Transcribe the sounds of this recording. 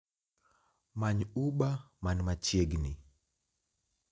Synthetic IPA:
maɲuɓamanmat͡ʃiɛɡni

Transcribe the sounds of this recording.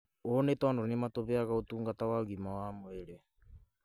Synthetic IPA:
onetɔːndonimatoβeaɣaotuːŋɡatawaɣimawamweɾe

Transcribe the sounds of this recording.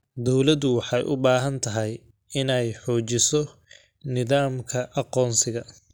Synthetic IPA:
d̪ɔwlɐd̪ʊwɑħɑjʔʊbaːɦɐnt̪ʰɐɦɛj | ɪnɛjħɔːt͡ʃɪsɔ | nɪðaːmkʰɐʔɑqɔːnsɪɣɐ

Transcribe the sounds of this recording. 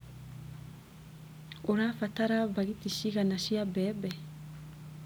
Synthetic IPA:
oɾafataɾaβaɣitiʃiɣanaʃiabɛbɛ

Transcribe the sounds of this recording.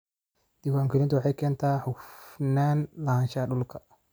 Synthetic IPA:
d̪̥ɪwaːŋkʰɪlɪnt̪ʰwɑħɑjkʰɛːnt̪ʰaːħʊfnaːnlɐhaːnʃɐɗʊlkʰɐ̥

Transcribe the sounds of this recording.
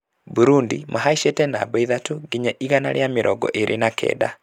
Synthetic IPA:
buɾundimʔaɦaiʃetɛnabɛiðatuɡiɲɛʔiɣanaɾjamɪɾʔɔɡɔ̰ʔeɾʔenakʰɛ̰da

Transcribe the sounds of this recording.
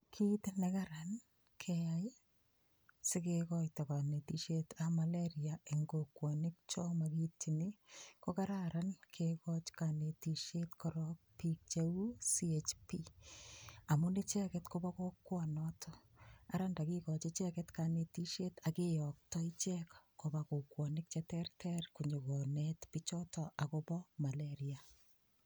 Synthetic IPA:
kʰitnekaɾan | kʰeaj | sɪkekɔjtɔkanetiʃetamaleɾiaeŋɡokwɔnɪk̚t͡ʃɔmakitːinɪkokaɾaɾankʰekɔt͡ʃkanetiʃetkɔɾɔk̚pik̚t͡ʃeusiet͡ʃpi | amʊnit͡ʃɛkɛtkobakokwɔnɔtʰɔaɾandakikɔt͡ʃit͡ʃɛkɛtkanetiʃetakejɔk̚tɔit͡ʃɛkkobakokwɔnɪk̚t͡ʃɛtɛrtʰɛrkuɲukɔnetpit͡ʃɔtɔʔakobɔmaleɾia

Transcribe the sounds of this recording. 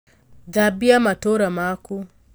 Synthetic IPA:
d͡ʒabiamatoɾamaku

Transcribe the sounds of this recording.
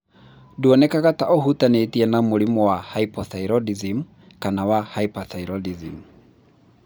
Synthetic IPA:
duɔnɛkaɣataʔɔɦutanetiɛnamoɾimɔwahaipɔθaiɾɔdizim | kanawahaipaθaiɾɔdizḭm

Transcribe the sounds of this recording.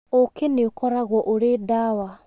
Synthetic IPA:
okeneokɔɾaɣwɔʔoɾedawa

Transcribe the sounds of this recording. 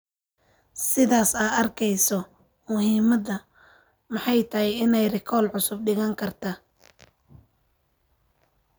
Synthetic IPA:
sɪðaːsaːɐrkʰɛjsɔ | mʊhiːmɐðɐ | mɑħɑjt̪ʰɐhɛjɪnɛjrɪkʰɔːlʕʊsʊb̚ɖɪɣɐŋkʰɐrt̪ʰaː

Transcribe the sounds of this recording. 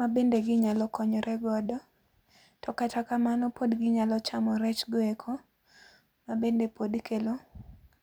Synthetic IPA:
mabendeɡɪɲalɔkɔɲɔɾʔɛɡɔdɔ | tʰɔkatakamanɔpodɡɪɲalɔt͡ʃamɔɾɛt͡ʃɡɔekʰo | mabendepʰodkelo

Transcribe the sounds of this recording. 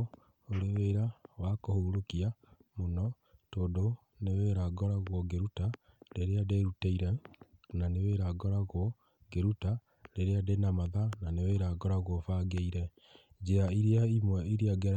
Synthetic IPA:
oɾeweːɾawakohouɾokiamonɔ | toːdo | neweɾaɡɔɾaɣwɔɡeɾuta | ɾeɾeadeɾuteiɾɛnaneweɾaɡɔɾaɣwɔ | ɡeɾuta | ɾeɾeadenamaðananeweːɾaɡɔɾaɣwɔfaɡeiɾɛ | d͡ʒeaiɾeaimwɛiɾiaɡɛɾ

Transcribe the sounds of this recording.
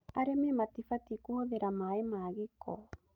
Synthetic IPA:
aɾemematifatikuhoðeɾamaemaːɣekʰɔ̰

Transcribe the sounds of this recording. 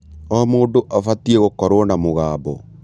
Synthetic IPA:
ɔmoːndoʔafatieɣokɔɾwɔnamoɣaːbɔ

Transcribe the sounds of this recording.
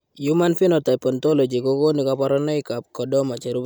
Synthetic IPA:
jumanfinɔtapɔntɔlɔd͡ʒikokonikapaɾɔnɔjkap̚kɔdɔmat͡ʃɛɾub

